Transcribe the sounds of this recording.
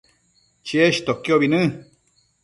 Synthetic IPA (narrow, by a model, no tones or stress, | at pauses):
t͡ʃieʃt̪okioβinɨ̃